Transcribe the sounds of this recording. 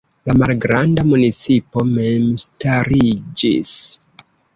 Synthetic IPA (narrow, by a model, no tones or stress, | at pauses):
lamalɡɾandamunit͡sipo̞memstaɾid͡ʒḭs